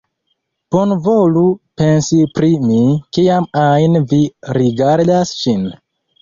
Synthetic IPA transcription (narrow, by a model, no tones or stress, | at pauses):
b̥onvolupe̞nsipɾimikiamajnviɾiɡaɾdasʃin